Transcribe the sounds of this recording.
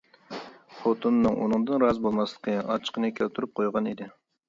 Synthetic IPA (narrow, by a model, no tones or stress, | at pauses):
χot̪ʰunːɨŋʔṵnɨŋd̪ɨnɾɑzbolˠmɑslˠə̥qʰəɑ̰t͡ʃʰə̥qʰənɨkʲʰælt̪ʰuɾup̚qʰojʁɑnid̪ɪ